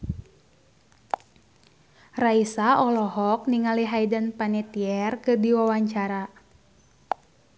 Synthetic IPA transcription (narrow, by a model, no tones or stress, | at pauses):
raisaʔɔlɔɦɔk̚niŋaliɦaidənpanɛt̪iɛrkɨrdiwawaɲt͡ʃaɾa